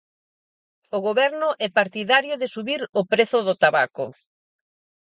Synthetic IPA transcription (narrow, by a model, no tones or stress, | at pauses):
oɣoβɛɾnʊʔɛpaɾt̪iðaɾjʊðɪsuβiɾopɾeθʊðʊt̪aβakʊ̰